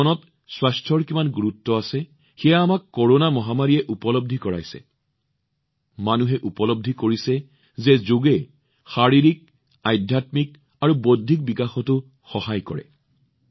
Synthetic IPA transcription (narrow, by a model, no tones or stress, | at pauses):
ɔnɔt | swastʰɔɹkimanɡuɹutːɔasɛ | xɛjaːmakːɔɹonamɔɦamaɹiɛʔupɔlob̚dʱikɔɹa̰jsɛ̰ | manuɦɛʔupɔlob̚dʱikoɹisɛ | zɛzoɡɛ | xaɹiɹik̚ | ajdʱjatmik̚ | aɹubodʱːik̚bikaxɔtʊ | xɔhajkɔɹɛ̰